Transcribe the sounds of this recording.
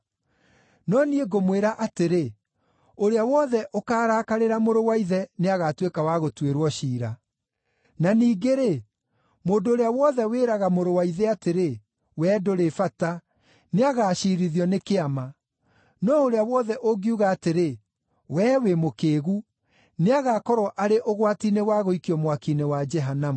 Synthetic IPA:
nɔnieɡomweɾaʔateɾe | oɾeawɔðɛʔokaːɾaːkaɾeɾamoɾowaiðɛneaɣatwekawaɣotweɾwɔɕiːɾa | naniːɡeɾe | moːndoːɾeawɔðɛweːɾaɣamoɾowaiðɛateɾe | wɛːdoɾefata | neaɣaːʃiɾiðjɔnekeama | nɔoɾeawɔðɛʔoɡiuɣaːteɾe | wɛːwemokeːɣu | neaɣakɔɾwɔʔaɾeʔoɣwatinewaɣoikiɔmwakinewad͡ʒɛɦanamu

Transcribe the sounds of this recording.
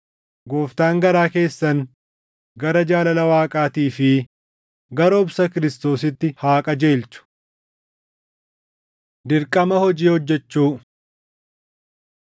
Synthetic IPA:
ɡo̞ːft̪aːŋɡɐɾaːke̞ːsːɐŋ | ɡɐɾɐd͡ʒaːlɐlɐwaːkʼaːt̪iːfɪ | ɡɐɾɐʊbsɐkɪɾɪst̪o̞ːs̬ɪt̪ːɪhaːkʼɐd͡ʒe̞ːlt͡ʃʊ̥ | d̪ɪɾkʼɐmɐhɔd͡ʒiːhɔd͡ʒːɛt͡ʃːuː

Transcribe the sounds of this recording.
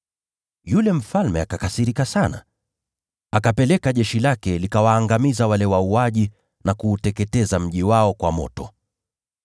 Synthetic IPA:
julɛm̩falmɛakakasiɾikasana̰ | akapɛlɛkaʄɛʃilakɛlikawaːŋɡamizawalɛwauaʄi | nakuːtɛkɛtɛzam̩ʄiwaɔkwamɔ̰tɔ̰

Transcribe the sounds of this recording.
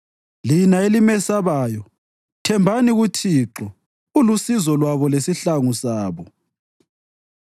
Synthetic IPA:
linaelimɛsaβaːjɔ | tʰɛmbʱaniɣutʰiːǁɔ | ulusizɔlwaβɔlesiɬaŋusaːβɔ

